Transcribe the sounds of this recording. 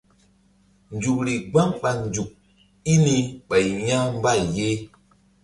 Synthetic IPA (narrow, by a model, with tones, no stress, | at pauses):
n˨d͡ʒu˨k̚ɾi˨ɡ͡ba˦ŋɓa˨nd͡ʒu˨k̚ | i˦ni˦ɓa˨jɲa˦m˦ba˦˨jje˦